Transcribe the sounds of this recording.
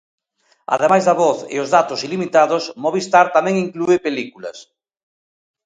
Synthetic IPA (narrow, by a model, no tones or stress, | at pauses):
ɐ̰ðemajzðɐβɔθḛozðat̪osilimit̪aðosmoβist̪aɾt̪amɛ̃ŋiŋkluepelikulɐ̰s